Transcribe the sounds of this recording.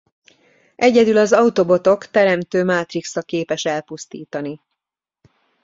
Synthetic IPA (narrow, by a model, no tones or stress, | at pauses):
ʔɛɟɛd̪ylɒzɒut̪o̞bo̞t̪o̞kt̪ɛɾɛmt̪øːmaːt̪riksɒkeːpɛʃɛlpust̪iːt̪ɒni